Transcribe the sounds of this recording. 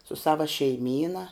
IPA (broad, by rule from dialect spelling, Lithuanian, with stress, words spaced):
sʊ ˈsɑːʋɐ ʃʲɛɪˈmʲiːnɐ